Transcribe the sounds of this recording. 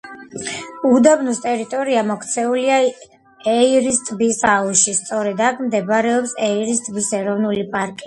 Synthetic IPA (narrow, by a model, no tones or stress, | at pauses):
ud̪abnust̪ʼɛɾit̪ʼɔɾiamɔkʰt̪sʰɛulia | ɛiɾist̪ʼbisauʃist̪sʼɔɾɛd̪akʰmd̪ɛbɾɛɔpsɛiɾist̪ʼbisɛɾɔvnulipʼaɾkʼi